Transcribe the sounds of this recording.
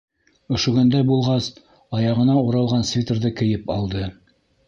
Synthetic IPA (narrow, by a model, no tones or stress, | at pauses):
ŏʃŏɡɵ̆nd̪æjbulˠʁɑs | ɑjɑʁɤ̆nɑuɾɑlˠʁɑnsvʲit̪rðɤkɘ̆jɘpɑ̰lˠd̪ɤ